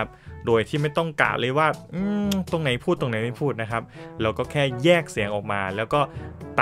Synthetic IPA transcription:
a˦˥p̚doː˧jt̪ʰiː˥˩ma˥˩jt̪ɔ˥˩ŋka̰ː˨˩wlʔɤː˧jwaː˥˩ʔɯː˧˩t̪o˧ŋna˨˩˦jpʰuː˥˩t̪ːo˧ŋna˨˦jma˥˩jpʰuː˥˩t̪̚na˦˥kʰa˦˥p̚lɛː˦˥wkɔː˥˩kʰɛː˥˩jɛː˥˩k̚si˨˩˦əŋʔɔː˨˩k̚maː˧lɛː˦˥wkɔː˥˩t̪a

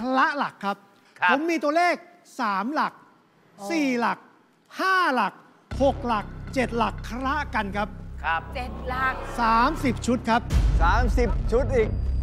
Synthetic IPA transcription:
kʰɾa˦˥ʔla˨˩kʰːa˦˥p̚ʰ | o˨˦mːiː˧t̪u˧ɐleː˥˩k̚ | saː˩˦mla˨˩k̚ | siː˨˩la˨˩k̚ | haː˥˩la˨˩k̚ | ho˨˩k̚la˨˩k̚t͡ɕe˨˩t̪̚la˨˩kʰːɾa˦˥ʔka˧nkʰa˦˥p̚ʰt͡ɕe˨˩t̪̚la˨˩k̚saː˩˦msi˨˩p̚t͡ɕʰu˦˥t̪̚kʰa˦˥p̚saː˩˦msi˨˩p̚t͡ɕʰu˦˥t̪̚ʔiː˨˩k̚

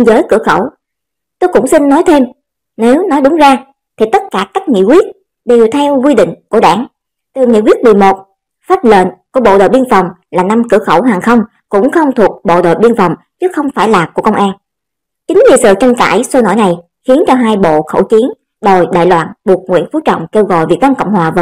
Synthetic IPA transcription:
nzəː˨˦jkɨ̰˧˩əxə̰˧˩w | t̪o˧jkʊ̰˧˥ŋ͡msi˧nːɔ˨˦jt̪ʰe˧m | ne˨˦wnɔ˨˦jɗʊ˨˦ŋ͡mzaː˧ | t̪ʰi˨˩t̪ə˦˥t̚kaː˧˩ka˦˥jk̟̚ŋḭ˧˨kwi˦˥ət̚ | ɗe˨˩wt̪ʰɛ˧wkwi˧ɗḭ˧˨ŋ̟ku˧˩əɗa̰ː˧˩ŋ | t̪ɨ˨˩ŋḭ˧˨kwi˦˥ət̚ɓi˨˩mo˨˩t̚ | faː˦˥p̚lḛ˧˨nku˧˩əɓo̰˧˨ɗo̰ː˨jɓi˧nfɔ˨˩wŋ͡mlaː˨˩na˧mkɨ˧˩əxə˧˩wɦaː˨˩ŋxə˧wŋ͡m | kʊ̰˧˥ŋ͡mxə˧wŋ͡mt̪ʰu˨˩ək̚ɓo̰˧˨ɗo̰ː˧˨jɓi˧ənfɔ˨˩wŋ͡m | t͡ɕɨ˨˦xə˧wŋ͡mfaː˧˩jlaː˨˩ku˧˩əkə˧wŋ͡mʔaː˧n | t͡ɕï˨˦ŋ̟li˨˩sɨ̰ː˧˨˩t͡ɕə˧nka̰ː˧˩jso˧no̰˧˩jna˨˩j | xi˨˦ənt͡ɕɔ˧ɦaː˧jɓo̰˧˨xə̰˧˩wt͡ɕi˨˦ən | ɗo˨˩jɗa̰ː˧˨jlwa̰ː˧˨nɓu˨˩ək̚ŋwḭ˧˥ənfu˨˦t͡ɕɔ̰˧˨wŋ͡mke˧wɣɔ̰˧˨jvi˨˩k̚na˧mkə̰˧˨wŋ͡mhɦwaː˨˩v

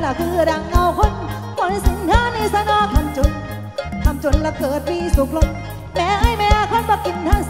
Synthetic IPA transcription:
la˧˩kʰɯː˧ɾa˨˧˩ŋʔa˧wkʰo˧˥˩n | kɔː˧˥n˧si˨˦nk̪ʰaː˧˥˨niː˧sa˧nɔː˧˥k̪ʰa˧mt͡ɕo˧n | t̪ʰa˧mt͡ɕo˧nla˧˩kɤː˨˩t̪̚piː˧˥su˨˦k̚lo˧n | mɛː˨˧˥ha˥˩jmɛː˧˥˧kʰo˧˥˨nbɔ˧ki˨˩nt̪ʰa˧˥˩

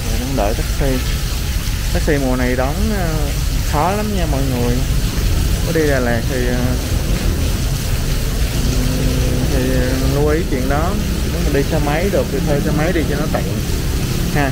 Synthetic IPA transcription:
zoː˨˩ɗɔ˧˩ŋ͡mɗə̰ː˧˨jt̪aː˦˥k̚si˧ | t̪aː˦˥k̚si˧mu˨˩əna˨˩jɗɔ˨˦n˨ | xɔ˨˦la˨˦mɲa˧mɔ̰˧˨jŋɨ˨˩əj | kɔ˨˦ɗi˧laː˨˩laː˨˩k̚t̪ʰi˨˩aː˨˩˨ | t̪ʰi˨˩lu˧ʔi˨˦t͡ɕwḭ˧˨ənɗɔ˨˦ | ne˨˦ma˨˩nɗi˧saː˧wma˨˦jɗɨ˨˩ək̚t̪i˨˩t̪ʰəː˧jsa˧wma˨˦jɗi˧t͡ɕɔ˧nɔ˨˦t̪ḭ˧˨ən | haː˧

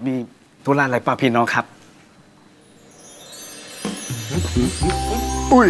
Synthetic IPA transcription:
miː˧ | t̪ʰuː˧˦laː˧˩laː˨˦paː˧˩pʰiː˧˩nɔː˦˥ŋkʰa˦˥p̚ | u˧˩

